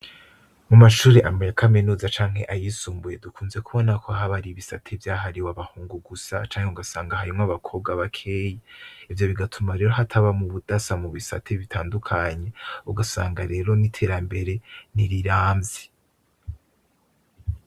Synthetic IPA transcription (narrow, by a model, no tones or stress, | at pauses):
mumaʃuːɾeʔamejakʰaminuːzat͡ʃaːŋ̥heʔajisuːmbuje̞dukuːnzekuβo̞nakʰoaɦaβaɾiβisa̰tʰevjaːɦaɾiwaβahuːŋɡuɡusa̰t͡ʃaːŋ̥heuɡasaːŋɡahaɾimŋaβakʰo̞b̚ɡaβakʰe̞ːjeivjo̞βiɡatʰumaɾe̞ːɾo̞ɦatʰaβamuβudasamuβisa̰tʰeβitʰaːndukʰaɲe̞uɡasa̰ːŋɡaɾe̞ːɾo̞nitʰe̞ːɾambe̞ɾe̞niɾiɾaːmzi